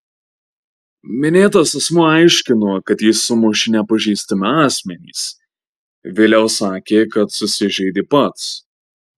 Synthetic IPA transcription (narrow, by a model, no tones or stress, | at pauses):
mʲɪnʲeːt̪oːsɐsmʊɐɪʃʲkʲɪnoːkɐt̪jɪsʊmʊʃʲɪnʲɛpɐʒʲiːst̪ɐmʲɪɑːsʲmʲɛnʲḭːs | ʋʲeːlʲɛʊsɑːkʲeːkɐt̪sʊsʲɪʒʲɛɪd̪ʲɪpɐt̪s